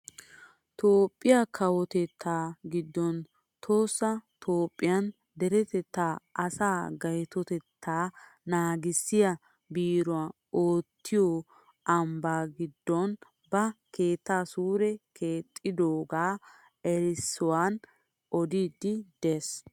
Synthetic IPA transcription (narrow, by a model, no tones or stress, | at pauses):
t̪oːpʼːɪjakʰɐwɔt̪ɛt̪ʰːaːɡɪd̪ːɔn | t̪ʰo̞ːsːɐt̪ʰo̞ːpʼːɪjɐn | d̪ɛɾɛt̪ɛt̪ːaːʔɐsaːɡɐjt̪ɔt̪ɛt̪ʰːaːnaːɡɪsːɪjɐ | biːɾɔa | oːt̪ːɪjɔ | ɐmbaːɡɪd̪ːɔn | bɐke̞ːt̪ːaːsuːɾɛkʰe̞ːt̪ʼːɪd̪oːɡaː | ɛɾɪsːɔwaːn | ʔɔd̪iːd̪ːɪd̪̥eːs